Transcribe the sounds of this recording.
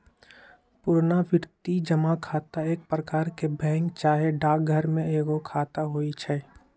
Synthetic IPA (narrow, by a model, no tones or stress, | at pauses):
pʊɾnaʋɪɾt̪id͡ʒəmakʰaːt̪aeːk̚pɾəkaːɾkebɛ̃ːŋkt͡ʃaːɦeɖaːk̚ɡʱəɾmẽeːɡokʰaːt̪aɦoːit͡ʃʰɛː